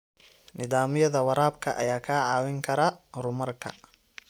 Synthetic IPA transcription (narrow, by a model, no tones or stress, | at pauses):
nɪðaːmɪjɐðɐwɐɾaːb̚kʰɐʔɐ̰jaːkʰaːʕɑːwɪŋkʰɐɾarʊmɐrkʰɐ̰